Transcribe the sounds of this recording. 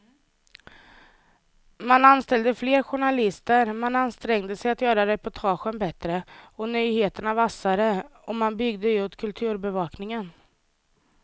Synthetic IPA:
mananst̪ɛld̪əfleːɾɧʊɳalɪst̪əɾmananst̪ɾɛŋd̪əsɛjat̪jœːɾad̪ɛjpʰɔt̪ʰɑːɧənbɛt̪ɾəɔnyjheːt̪əɳavasːaɾəɔmanbʏɡd̪əut̪kʰɵlt̪ʰʉ̟ːɾbɛvɑːknɪŋən

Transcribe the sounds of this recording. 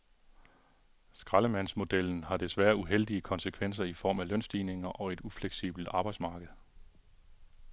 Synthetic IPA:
sɡ̥ʁɑ̈ləmæn̰smo̝d̥el̰n̩hɑ̈d̥e̝sʋæːɐuɦel̰d̥iəkʰɒ̽nsəkʰʋen̰s̬ɐifɒ̰ːmælœn̰sd̥iːne̝ŋɐʔɒ̽e̝d̥ufleɡ̥sḭb̥l̩d̥ɑ̈ːb̥ɑ̈ɪd̥smɑ̈ːɡ̥əð̩ˠ

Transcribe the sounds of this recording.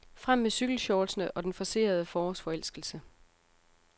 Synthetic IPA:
fʁam̰ːesyɡ̥l̩ɕɒːlsnəʔɒ̽d̥enfɒse̝̰ːɐð̞ˠəfɒːsfɒ̽el̰sɡ̥l̩sə

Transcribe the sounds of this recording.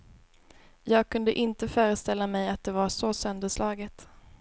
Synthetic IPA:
jɑːɡ̚kʰɵnd̪əʔɪnt̪əfœːɾəst̪ɛlːamɛjat̪̚d̪ɛvaʂɔsœnd̪əʂlʔɑːɡət̪

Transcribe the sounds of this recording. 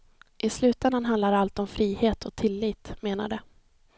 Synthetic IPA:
ʔɪslʉ̟ːt̪ɛnd̪anɦand̪aɾalt̪ɔmfɾiːheːt̪ʰɔt̪ʰɪlːiːt̪meːna̰ɖə

